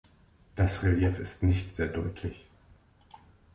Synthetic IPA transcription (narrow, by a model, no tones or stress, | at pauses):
d̥asʁeljɛfɪstnɪçtz̥eːɐdɔʏtʰlɪç